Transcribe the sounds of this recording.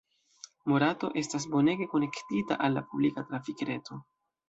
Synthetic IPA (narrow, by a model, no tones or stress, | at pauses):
mo̞ɾato̞ʔe̞stas̬bo̞ne̞ɡe̞ko̞ne̞ktita̰ʔalːapublikatɾafikɾe̞to̞